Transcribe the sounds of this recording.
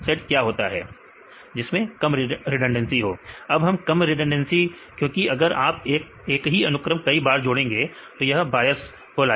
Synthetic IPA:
sɛʈ̚kjaːɦoːt̪a̰ɦɛ̰ː | d͡ʒɪsmẽkɐmɾɾɪɖə̃ɳɖə̃nsiɦoːɐbɦɐmkɐmɾɪɖə̃ɳɖənsi | kjõːkiʔɐɡəɾaːpeːk | eːkɦiɐnʊkɾəmkɐibaːɾd͡ʒʊɽẽːŋɡeːt̪ojɐɦbaːjəs | ɦoːlaː

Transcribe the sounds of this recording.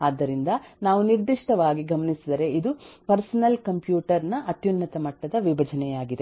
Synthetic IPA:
aːd̪ːɐɾind̪ɐnaːʋuniɾd̪iʂʈɐʋaːɡiɡɐmɐnisid̪ɐɾe̞id̪upɐɾsɐnɐlkɐmpjuːʈɐɾnɐʔɐt̪junːɐt̪ɐmɐʈːɐd̪ɐʋibʱɐd͡ʒɐnɛjaːɡid̪e

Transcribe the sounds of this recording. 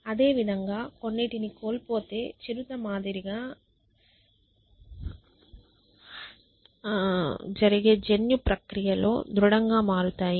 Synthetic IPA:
ɐd̪e̞ːʋid̪ʱɐŋɡaːko̞nːeʈiniko̞ːlpo̞ːt̪e̞ːt͡ʃiɾut̪ɐmaːd̪iɾiɡaː | d͡ʒɐɾiɡe̞ːd͡ʒenjupɾɐkɾijɐlo̞̰ːd̪ɾuɽɐŋɡaːmaːɾut̪aːji

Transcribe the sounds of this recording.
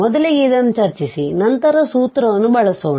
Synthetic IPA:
ɔd̪ɐliɡed̪ɐnːut͡ʃɐɾt͡ʃisinɐnt̪ɐɾɐsuːt̪ɾɐʋɐnːubɐɭɐsoːɳi

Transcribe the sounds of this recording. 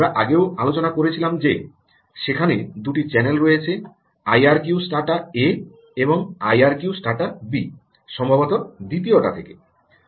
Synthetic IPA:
ɾaʔaɡeoalot͡ɕonakoɾet͡ɕʰilamd͡ʑe | ʃekʰaned̪uʈit͡ɕɛnelɾojet͡ɕʰe | ajaɾkiusʈaʈae | eboŋajaɾkijusʈaɾʈabi | ʃɔmbʱabot̪od̪it̪̬ioʈa̰t̪ʰeke

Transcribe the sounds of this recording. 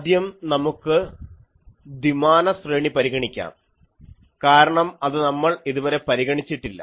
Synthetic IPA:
ɐd̪jɐmnɐmukːɨ | d̪imaːnɐsreːɳipɐɾiɣɐɳikʲːa̰ːm | kaːɾɐɳɐmɐðɨnɐmːɐɭiðuʋɐɾe̞pɐɾiɣɐɳit͡ɕːiʈːilːɐ̰

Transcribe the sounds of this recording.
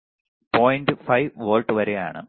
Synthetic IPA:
poːjɳɖɨfɐjʋʋoːlʈːɨʋɐɾeja̰ːɳɨ̰

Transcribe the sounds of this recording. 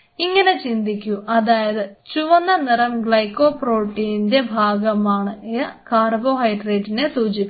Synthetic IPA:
iŋːɐne̞t͡ɕind̪ikʲːuʔɐðaːjɐðɨt͡ɕuʋɐnːɐnirɐmɡɭɐjkːo̞ːproːʈːiːnnde̞bʱaːɡɐmaːɳɨjɐkaːrbo̞ːɦɐjɖreːɖinesuːd͡ʑipː

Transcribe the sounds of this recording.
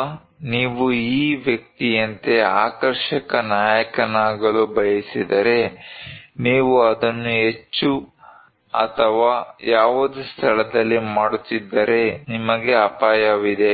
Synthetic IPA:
niːʋuiːʋjɐk̚t̪ijɐnt̪e̞a̰ːkɐɾʃɐkɐnaːjɐkɐnaːɡɐɭubɐjisid̪ɐɾe̞ | niːʋuɐd̪ɐnːuɦe̞t͡ʃːu | ɐ̰t̪ʰɐʋaːjaːʋud̪ust̪ʰɐɭɐd̪ɐlːimaːɽut̪ːid̪ːɐɾe̞nimɐɡe̞ɐpaːjɐʋid̪e̞

